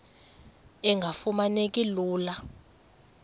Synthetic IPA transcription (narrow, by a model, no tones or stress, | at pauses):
ɛŋɡʱafumanekʼiluːla